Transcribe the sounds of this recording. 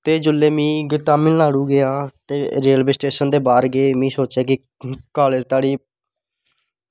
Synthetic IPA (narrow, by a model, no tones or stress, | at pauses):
t̪eːd͡ʒʊlːeːmĩːɡɪt̪aːmɪllaːɽuːɡɪaːt̪eːɾeːlbeːsʈeːʃənd̪eːbaːɾɡeːmĩːsoːt͡ʃaːkɪ | kaːled͡ʒt̪aːɽiː